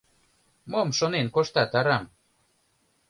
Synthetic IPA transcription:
momʃonenkoʃt̪ɑt̪ɑɾɑm

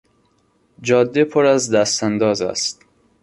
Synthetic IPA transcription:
d͡ʒɒːd̪ːepʰoɾæzd̪æst̪ænd̪ɒːzæ̰st̪

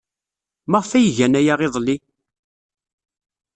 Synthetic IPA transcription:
məʁfæjəʝænæjaʁeðˤli

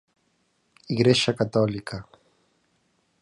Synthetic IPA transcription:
iɣɾɛʃakat̪ɔlikʰa

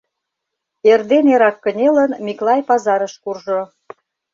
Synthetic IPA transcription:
erd̪eneɾɑkːə̆nʲelənmiklɑjpɑzɑɾəʃkurʒo

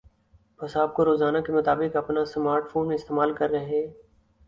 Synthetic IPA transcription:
pɐsaːp̚koɾoːzaːnakemɐt̪aːbɪkɐpnasmaːɾʈfoːnmẽɪst̪eːmaːlkɐɾːɐɦeː

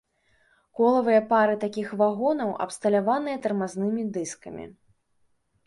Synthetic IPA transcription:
kɔlˠɐvɨjɐpaɾɨt̪akʲixvaɣɔnɐwʔɐ̰pst̪ɐlʲavanɨjɐt̪ɐrmaznɨmʲid̪ɨskɐmʲḭ

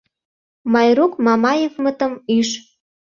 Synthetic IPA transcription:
mɑjrukmɑmɑjevmə̆t̪ə̆myʃ

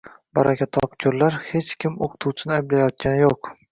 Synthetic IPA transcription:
baɾʔakʲʰat̪ʰɒ̰pkʲʰoɾlaɾhe̞t͡ʃkʲʰɪmoqʰɨ̥t̪ʰuwt͡ʃʰɪnɪajblajɒt̪̚kʲanɪjoq

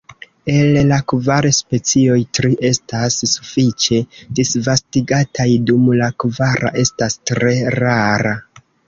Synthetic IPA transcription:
e̞llakvaɾespe̞t͡sio̞jtɾiʔe̞stasːufit͡ʃe̞disvastiɡatʰajdumlakvaɾa̰ʔe̞stastɾe̞ɾaɾa

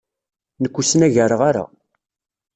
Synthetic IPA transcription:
nəkʷːusnæʝəɾəʁaɾa̰

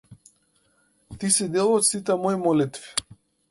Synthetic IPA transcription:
t̪isid̪elˠɔt̪sit̪ɛmɔjmɔlit̪vi̥

